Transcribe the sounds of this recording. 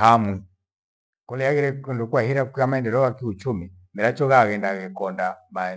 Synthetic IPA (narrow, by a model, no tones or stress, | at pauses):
hamu | kɔlijaɣiɾɛndukuwahiɾakukiamaɛndɛlɔɣakiut͡ʃumi | mɛɾat͡ʃɔɣaɣɛndaɣɛkɔndama